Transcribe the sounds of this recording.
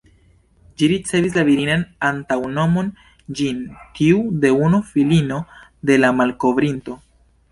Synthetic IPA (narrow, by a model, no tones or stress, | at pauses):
d͡ʒiɾit͡se̞vis̬laviɾinanantawno̞mo̞n | d͡ʒintiude̞unufilino̞de̞lamalko̞vɾinto̞